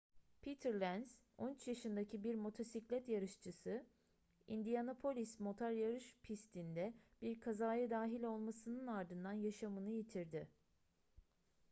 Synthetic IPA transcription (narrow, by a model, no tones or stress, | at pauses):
pʰit̪ʰɛɾlʲænz | o̞nyt͡ʃjaʃɯnd̪acʰibiɾmo̞t̪ʰo̞siclʲɛt̪jaɾɯʃt͡ʃʰɯsɯ | ind̪ijanopʰo̞lʲismo̞t̪ʰaɾjaɾɯʃpʰist̪ʰind̪ɛb̥iɾkʰazaːjɯd̪aːɦilʲo̞lˠmasɯnɯnaɾd̪ɯnd̪anjaʃamɯnɯjit̪ʰiɾd̪ɪ